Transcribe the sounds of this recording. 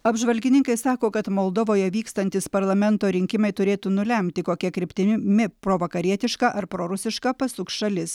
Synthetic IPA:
ɐbʒʋɐlʲɡʲɪnʲɪŋkɐɪsɑːkoːkɐt̪molˠd̪ɔʋoːjɛʋʲiːkst̪ɐnʲt̪ʲɪspɐɾlˠɐmʲɛnt̪oːɾʲɪŋʲkʲɪmɐɪt̪ʊɾʲeːt̪uːnʊlʲɛmʲt̪ʲɪkoːkʲiɛkɾʲɪpʲt̪ʲɪmʲɪpɾoːʋɐkɐɾʲiɛt̪ʲɪʃkɑʔɐɾpɾoːɾʊsʲɪʃkɐpɐsʊkʃɐlʲɪs

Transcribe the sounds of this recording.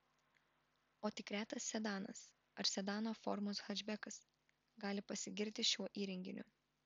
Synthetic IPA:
oːt̪ʲɪkɾʲæːt̪ɐsːʲɛd̪ɑːnɐ̰s | ɐɾsʲɛd̪ɑːnoːfɔ̰ɾmʊsɣɐd͡ʒʲbʲɛkɐs | ɡɑːlʲɪpɐsʲɪɡʲɪɾʲt̪ʲɪʃʲuɔʔiːɾʲɛŋʲɡʲɪnʲʊ̰

